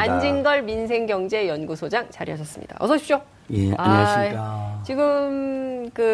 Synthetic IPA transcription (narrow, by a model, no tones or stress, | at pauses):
and͡ʑinɡʌɭminsʰe̞ŋɡjʌŋd͡ʑe̞jʌnɡusʰod͡ʑaŋt͡ɕaɾijɦaɕʰʌs͈ɯmɲḭd̥a̰ʔʌs͈ʰʌɕʰi̥pɕ͈o | jeaɲset͡ɕiɡɯmkɯ